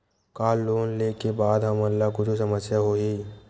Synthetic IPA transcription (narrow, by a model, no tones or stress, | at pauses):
kaːlːoːnleːkebaːd̪ɦɐmɐlːakʊt͡ʃʰusəməsjaɦoɦiː